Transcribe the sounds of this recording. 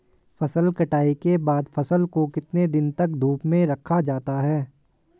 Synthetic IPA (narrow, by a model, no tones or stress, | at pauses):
fɐsəlkɐʈaːikebaːd̪fɐsəlkokɪt̪ned̪ɪnt̪ɐk̚d̪ʱuːpmẽɾɐkʰad͡ʒaːt̪aɦɛː